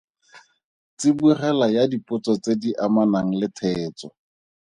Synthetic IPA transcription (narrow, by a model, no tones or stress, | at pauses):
t͡sɪburɛlajadipʊt͡sɔt͡sediʔamanaŋ̩lɪtʰɛːt͡sɔ